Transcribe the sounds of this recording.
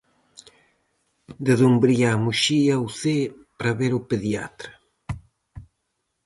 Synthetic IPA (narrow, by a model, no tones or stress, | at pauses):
d̪eðumbɾiaːmuʃiawθepɾaβeɾʊpeðja̰t̪ɾa